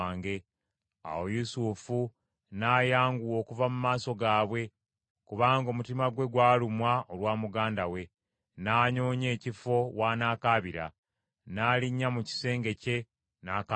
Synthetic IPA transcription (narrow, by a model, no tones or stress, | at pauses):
ŋɡe̞ | a̰wo̞jusufu | naːjaːŋɡuwo̞ːkuvamumaːso̞ɡaːβwe̞ | kuβaːŋɡo̞ːmutimaɡwe̞ɡwaːlumwaolwaːmuɡaːndawe̞ | naːɲo̞ːɲe̞ːcifo̞waːnaːkaːβiɾa̰ | naːliɲːamuci̥se̞ːŋɡe̞ce̞ | naːka